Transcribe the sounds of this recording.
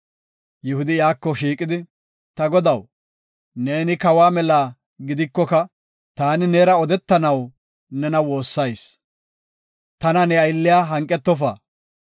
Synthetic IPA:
jɪhʊd̪ɪjaːkːɔʃiːkʼɪd̪ɪ | t̪ɐɡɔd̪ɐw | ne̞ːnɪkɐwaːmɛlaː | ɡɪd̪ɪkːɔkɐ | t̪aːnɪneːɾɐɔd̪ɛt̪ːɐnɐw | nɛnɐwo̞ːsːɐjs | t̪ɐnɐnɛɐjlːɪjaːɦɐŋkʼːɛt̪ːɔfa̰ː

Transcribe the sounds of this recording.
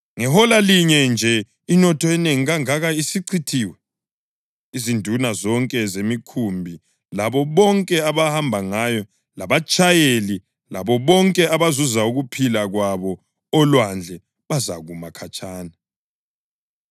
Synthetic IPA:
ŋɛɦɔlaliɲɛnd͡ʒʱɛ | inɔtʰɔɛneŋiɣaŋaɣaisiǀʰitʰiːwɛ | izindʱunazɔŋkʼɛzemikʰumbʱi | laβɔβɔŋkʼɛaβahambʱaŋajɔ | laβat͡ʃʼajeli | laβɔβɔŋkʼɛaβazuzauɣupʰilaɣwaβɔ | ɔlwand͡ɮʱɛ | βaza̰ɣumakʰat͡ʃʼaːna

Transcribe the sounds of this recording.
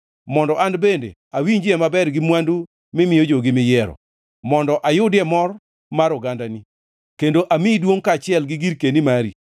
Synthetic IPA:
mɔndɔʔandbendḛ | awiɲd͡ʒɛmabɛɾɡɪmwandu | mɪmɪjod͡ʒoɡɪmɪjɛɾɔ̰ | mɔndɔʔajʊdɪɛmɔr | maɾʊɡandani | kendoʔamidwoŋkat͡ʃɪɛlɡɪɡiɾkenimaɾḭ

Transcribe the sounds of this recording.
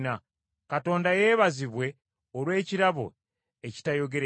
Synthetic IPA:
na | kato̞ːndaje̞ːβaziβwe̞ | olwe̞ːciɾaβo̞ | eci̥tajo̞ɡe̞ɾ

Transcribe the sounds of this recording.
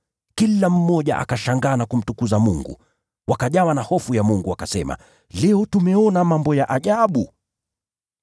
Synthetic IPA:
kilam̩mɔʄa̰ʔa̰kaʃaŋɡaːnakum̩tukuzamuŋɡṵ | wakaʄawanahɔfujamuŋɡuakasɛma̰ | lɛɔtumɛɔnamambɔjaʔaʄaɓu

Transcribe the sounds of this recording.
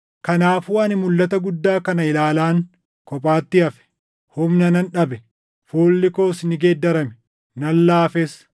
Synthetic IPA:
kɐnaːfuːɐnɪmʊlːɐt̪ɐɡʊd̪ːaːkɐnɐɪlaːlaːŋ | kɔpʼaːt̪ːɪɐfɛ̥ | hʊmnɐnɐnᶑɐbɛ | foːlːɪko̞ːsnɪɡeːd̪ːɐɾɐmɛ̥ | nɐlːaːfes

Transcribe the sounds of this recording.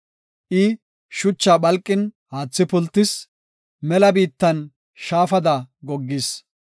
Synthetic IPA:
ʔɪ | ʃʊt͡ʃːaːɓɐlkʼːɪn | haːt͡sːɪpʊlt̪ːɪs | mɛlɐbiːt̪ːɐn | ʃaːfɐd̪ɐɡɔɡːɪs

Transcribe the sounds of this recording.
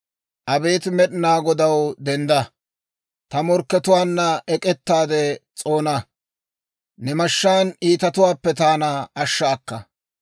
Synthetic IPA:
ʔɐbe̞ːt̪mɛɗɪnaːɡɔd̪ɐwd̪ɛnd̪ɐ | t̪ɐmɔɾkːɛt̪ʊwaːnːɐɛkʼɛt̪ːaːd̪ɛt͡sʼo̞ːnɐ | nɛmɐʃːaːniːt̪ɐt̪ʊwaːpːɛt̪aːnɐːʃːaːkːɐ

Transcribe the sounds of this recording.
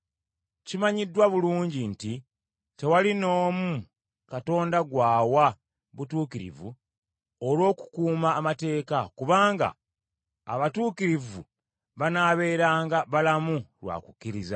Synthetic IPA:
cimaɲidːwaβuluːɲɟinti | te̞walino̞ːmu | kato̞ːndaɡwaːwa | βutuːkiɾḭvṵ | olwo̞ːku̥kuːmaːmate̞ːkakuβaːŋɡa̰ː | βatuːkiɾivṵ | βanaːβe̞ːɾaːŋɡaβalamulwa̰ːku̥kːiɾiza

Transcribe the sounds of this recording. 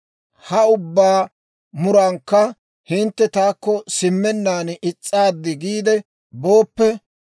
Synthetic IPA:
hɐʊbːaː | mʊɾɐŋkːɐ | hɪnt̪ːɛt̪aːkːɔsɪmːɛnːaːnʔɪt͡sʼːaːd̪ːɪɡiːd̪ɛ | bo̞ːpːɛ

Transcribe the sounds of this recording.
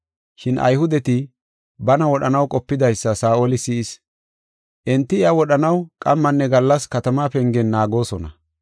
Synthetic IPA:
ʃɪnʔɐ̰jhʊd̪ɛt̪ɪ | bɐnɐwɔɗɐnɐwkʼɔpːɪd̪ɐjsːɐsaːʔolɪsiːɪs | ʔɛnt̪ːɪɪɐwɔɗɐnɐwkʼɐmːɐnːɛɡɐlːɐskɐt̪ɐmaːpɛŋɡɛnːaːɡo̞ːsɔnɐ̰

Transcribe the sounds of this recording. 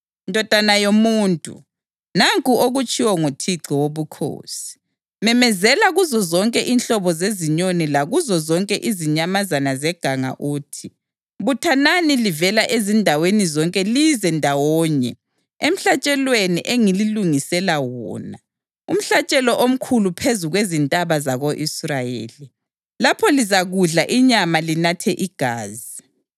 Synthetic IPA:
ndʱɔd̥ʱanajomuːntʼṵ | naŋkʼuʔoɣut͡ʃʼiwɔŋotʰiǁɔwoβukʰo̰ːsi̥ | mɛmɛzɛlaɣuzɔzɔŋkʼɛʔinɬɔβɔzeziɲonilaɣuzɔzɔŋkʼɛʔiziɲamazanazɛɡ̥ʱaŋa̰ʔuːtʰi | βutʰananilivɛlaʔezindʱawenizɔŋkʼɛlizɛndʱawɔːɲɛ | em̩ɬat͡ʃʼɛlweniʔeŋililuŋisɛlawɔ̰ːna | um̩ɬat͡ʃʼɛlɔʔom̩kʰulupʰezuɣwezintʼaβazaɣoʔisrajḛːli | lapʰɔlizaɣuɮaʔiɲamalinatʰɛʔiɡ̥ʱaːzi

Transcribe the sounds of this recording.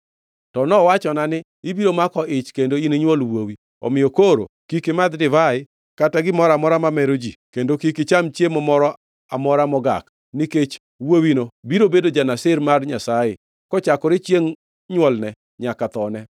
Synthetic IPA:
tɔnɔwat͡ʃɔnanɪ | ɪbiɾomakɔʔɪt͡ʃkendoineɲwɔlwowi | ɔ̰mɪjɔkoɾo̰kikɪmad̪dɪvaɪ | kataɡɪmɔɾamɔɾamamɛɾod͡ʒikendokikɪt͡ʃamt͡ʃjemɔmɔɾɔ | amɔɾamɔɡa̰k | nɪket͡ʃ | wowinobiɾobedod͡ʒanasɪɾmarɲasajɪ | kɔt͡ʃakɔɾɪt͡ʃjeŋ | ɲwɔlnɛ | ɲakat̪ɔnɛ

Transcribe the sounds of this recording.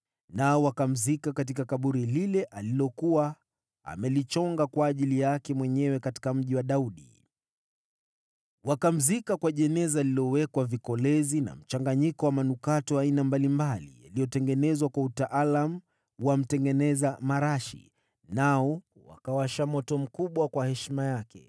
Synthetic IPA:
naɔwakam̩zikakat̬ikakaɓuɾililɛʔalilɔkuwa | a̰mɛlit͡ʃɔŋɡakwaːʄilijakɛmwɛɲɛwɛkati̥kam̩ʄiwaɗauɗḭ | wakam̩zikakwaʄɛnɛzalilɔwɛkwavikɔlɛzina̰m̩t͡ʃaŋɡaɲikɔwamanukatɔainambalimbalḭja̰lijɔtɛŋɡɛnɛzwakwautaʔalamu | wam̩tɛŋɡɛnɛzamaɾaʃḭ | naɔ | wa̰kawaʃamɔtɔm̩kuɓwakwahɛʃimajakɛ̰

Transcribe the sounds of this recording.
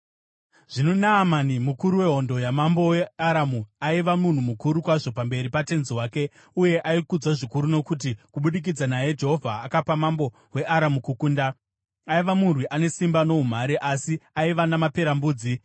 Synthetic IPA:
ʐ̥inonaːmanimukuɾuwe̞ɦo̞ndo̞jamambo̞weaɾamuaiʋamun̤umukuɾukwaʐo̞pambe̞ɾipate̞nziwaːke̞ | uje̞ʔaikud͡zwaʐikuɾuno̞kut̬ikuɓuɗik̬id͡zanaje̞d͡ʒe̞ɦo̞vʱaːkapamambo̞ | we̞ʔaɾamukukunda | aiʋamurwiʔane̞simbano̞um̤aɾeʔasiaiʋanamape̞ɾambuːd͡zi

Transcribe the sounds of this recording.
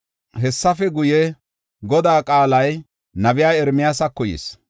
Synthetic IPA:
ɦɛsːɐfɛɡʊjɛ | ɡɔd̪aːkʼaːlɐj | nɐbɪjaːjɛɾmɪjaːsɐkːɔjḭːs

